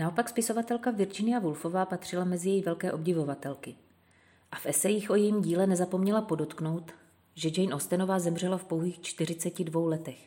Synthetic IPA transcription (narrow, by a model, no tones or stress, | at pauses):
naopakspɪso̞vat̪ɛlkavɪɾd͡ʒɪnɪavulfo̞vaːpat̪r̝̥ɪlamɛzɪjɛjvɛlkɛːʔo̞b̚ɟɪvo̞vat̪ɛlkɪ | ʔafʔɛsɛjɪxʔo̞jɛjimɟiːlɛnɛzapo̞mɲɛlapo̞do̞t̪kno̞wt̪ | ʒɛd͡ʒɛjnʔost̪ɛno̞vaːzɛmr̝ɛlafpo̞wɦiːxt͡ʃt̪ɪr̝ɪt͡sɛcɪdvo̞wlɛt̪ɛx